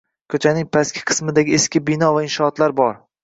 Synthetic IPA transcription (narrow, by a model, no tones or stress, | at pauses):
kʰɵt͡ʃʰanɪŋpʰaskʲʰɪ̥qʰɨ̥smɪd̪aɡʲɪeskʲɪbɪnɒvaɪnʃɒːt̪laɾbɒɾ